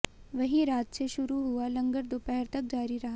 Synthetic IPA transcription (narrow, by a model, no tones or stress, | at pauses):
ʋɐɦĩɾaːt̪seʃʊɾuɦualɐ̃ŋɡəɾd̪oːpɛɦɛɾt̪ɐk̚d͡ʒaːɾiɾɐɦa